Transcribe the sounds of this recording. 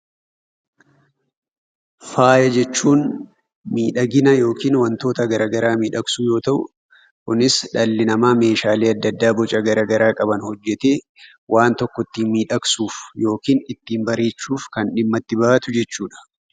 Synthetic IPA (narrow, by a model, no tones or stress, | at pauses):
faːjɐd͡ʒɛt͡ʃːuːn | miːᶑɐɡɪnɐjo̞ːkiːnwɐnt̪o̞ːt̪ɐɡɐɾaːɡɐɾaːmiːᶑɐksuːjo̞ːt̪ɐʔʊ̰ | kʊnɪsᶑɐlːɪnɐmaːme̞ːʃaːleːɐd̪ːɐd̪ːaːbɔt͡ʃʼɐɡɐɾaːɡɐɾaːkʼɐbɐnhɔd͡ʒːɛt̪eː | wʔaːnt̪ɔkːɔt̪ːiːmiːᶑɐksuːfjo̞ːkiːnɪt̪ːiːmbɐɾe̞ːt͡ʃːuːfkɐnᶑɪmːɐt̪ːɪbaːɐt̪ʊd͡ʒɛt͡ʃːuːᶑɐ̥